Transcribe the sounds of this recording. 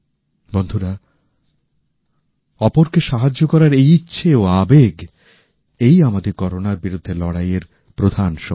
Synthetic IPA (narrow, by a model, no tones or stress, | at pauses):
bond̪ʱuɾa | ɔpoɾkeʃaɦad͡ʑːokɔɾaɾejitːɕʰeoabeɡ | ejamad̪ekɔɾonaɾbiɾud̪ʱːelɔɽajeɾ | pɾod̪ʱanʃɔ